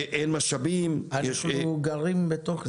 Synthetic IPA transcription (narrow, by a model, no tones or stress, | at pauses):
ʔenmaʃabimanjaχnuɡaʁimbet̪o̞χ